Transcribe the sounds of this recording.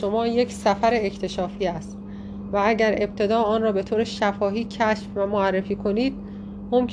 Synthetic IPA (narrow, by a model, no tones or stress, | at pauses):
o̞mɒːje̞csæfæɾeːct̪ʰe̞ʃɒːfiːæst̪̚ | vææɟæɾe̞b̚t̪ʰe̞d̪ɒːɒːnrɒːbe̞t̪ʰoːɾeʃæfɒːɦiːcʰæʃfvæmoærːefiːkʰo̞niːd̪̥̚ | momcʰ